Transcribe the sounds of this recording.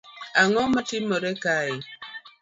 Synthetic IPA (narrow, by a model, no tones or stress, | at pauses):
aŋɔmatiməɾekae